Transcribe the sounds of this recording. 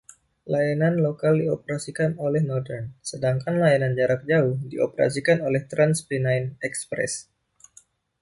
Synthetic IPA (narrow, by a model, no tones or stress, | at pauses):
lajananlokaldiopəɾasikanolɛhnɔrdɛrnsədaŋkanlajanand͡ʒaɾak̚d͡ʒauhdio̰pəɾa̰sikanolɛht̪ɾanspinajnɛkspɾɛ̰s